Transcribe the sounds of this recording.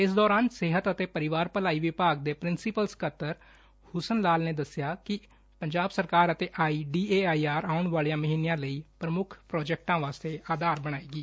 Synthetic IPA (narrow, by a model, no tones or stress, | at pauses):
ɪs̬d̪ɔːɾaːnseːɦət̪ət̪eːpəɾɪʋaːɾpəlaːiːʋɪpaːɡ̚d̪eːpɾɪnsɪpəlskʰət̪ːəɾ | hʊsənlaːlneːd̪əsɪjaːkɪ | pəɲd͡ʒaːbsəɾkaːɾət̪eːʔaːiːɖiːeːaːiːaːɾaːʊɳʋaːlijãːməɦiːnijãːləiːpɾəmʊkʰpɾɔːd͡ʒɛk̚ʈãːʋaːst̪eːʔaːd̪aːɾbəɽ̃aːiːɡiː